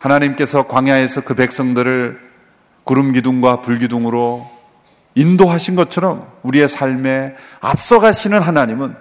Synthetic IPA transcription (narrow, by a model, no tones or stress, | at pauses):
hanaɲimk͈e̞sʰʌkwaŋjae̞sʰʌkɯpe̞k̚s͈ʌŋdɯɾɯɭ | kuɾɯmɡiduŋɡwapuɭɡiduŋɯɾo | indoɦaɕʰinɡʌt͡ɕʰʌɾʌmuɾie̞sʰaɭme̞a̰p̚s͈ʌɡaɕʰinɯnɦanaɲimɯn